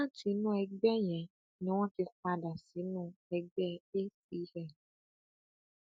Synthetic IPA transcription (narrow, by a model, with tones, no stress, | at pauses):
ã˦ti˨˦nũ˦ɛ˧ɡ͡bɛ˦jɛ̃˨ | nĩ˨˦w̃ɔ̃˦ki˧fa˧da˨si˨˦nũ˦ɛ˧ɡ͡bɛ˦e˦si˨˦hɛ˦˨